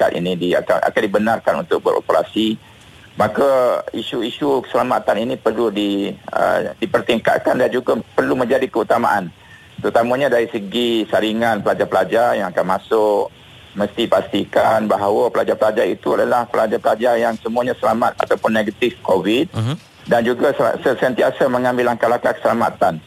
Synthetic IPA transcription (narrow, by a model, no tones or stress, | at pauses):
ka̰t̪ḭnĩdia̰ka̰nʔa̰kandibənarkanṵnt̪ʊk̚bə̰ɾʔo̰pəɾa̰si | makaiʃuiʃukə̥səlamat̪aninipərludiə̰dipərt̪iŋka̰t̪̚kandand͡ʒuɡapərlumə̃ɲd͡ʒadikəut̪ama̰ʔan | t̪əɾut̪amãɲadaɾisəɡisaɾiŋanpəlad͡ʒapəlad͡ʒarjaŋakanmãsʊk | məst̪ipast̪ikanbaɦawəpəlad͡ʒarpəlad͡ʒaɾit̪uadalahpəlad͡ʒaɾpəlad͡ʒarjaŋsəmuaɲãsəlamat̪̚a̰t̪awpʊnːeɡət̪ɪfkovid̪̚ | dand͡ʒuɡassəsənt̪iasamə̃ŋãmbɪlaŋkalakakə̥səlama̰t̪an